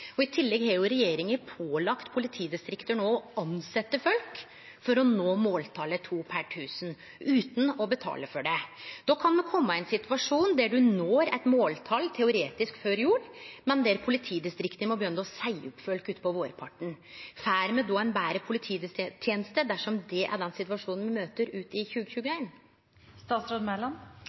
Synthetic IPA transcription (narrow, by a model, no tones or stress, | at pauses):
ɔɪt̪ʰɪlːɛɡhɑɾjʊɾɛjeːɾɪŋəpʰoːlɑkt̪pʰʊlɪt̪ʰiːd̪ɪst̪ɾɪkt̪əɳoːɑnsɛt̪ːəfœlk | fɔɾɔnoːmoːlt̪ʰɑlət̪ʰuːpʰæʈʰʉːsən | ʉːt̪n̩ɔbət̪ʰɑ̰ːləfɔɖɛd̪̥ɔkʰɑnmɛkʰɔmːəæɪnsɪt̪ʉʋɑʂuːnd̪æɖʉnoːɾɛɪt̪moːlt̪ʰɑlt̪ʰɛʊɾeːt̪ɪskføːɾjuːɾmɛnd̪ɛɾpʰʊlɪt̪ʰiːd̪ɪst̪ɾɪkt̪əmɔbəjœnːəɔsæɪʊpːfœlkʉːt̪pʰɔʋoːɾpʰɑʈːəɳ̩ | fæːɾmɛd̪ɔːæɪnbæːɾəpʰʊlɪt̪ʰiːd̪ɪst̪ʰjeːnəst̪əd̪æʂɔmd̪ɛʔæ̰ɖɛnsɪt̪ʋɑʂuːnnʋɪmøːt̪əɾʉːt̪ɪçʉːɡəçʉːɡəeɪn | st̪ɑːt̪sɾoːd̪mɛlɑn